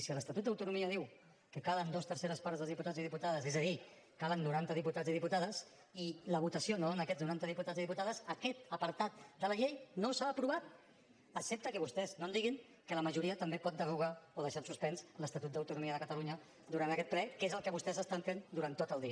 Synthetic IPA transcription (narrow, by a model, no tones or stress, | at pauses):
siələst̪at̪ut̪̚d̪əwt̪unumiəðiw | kəkalənd̪ost̪əɾseɾəspaɾzðəlzðiput̪aziðiput̪aðəzezəði | kalənːuɾant̪əðiput̪adziðiput̪aðəs | iləβ̞ut̪əsionoonəkɛznuɾant̪əðiput̪aziðiput̪aðəzəkɛt̪̚əpəɾt̪at̪̚d̪ələʎejnosaːpɾuβat̪̚ | əksɛp̚t̪əkəβust̪ɛznond̪iɣiŋ | kələməʒuɾiət̪əmbepɔt̪̚d̪əβuɣ̞aoðəʃamsuspɛnsləst̪at̪ut̪̚d̪əwt̪unumiəðəkət̪əluɲə | d̪uɾanəkɛt̪̚plɛkezəlˠkəβust̪ɛzəst̪aɱfend̪uɾant̪ːot̪əlˠd̪iə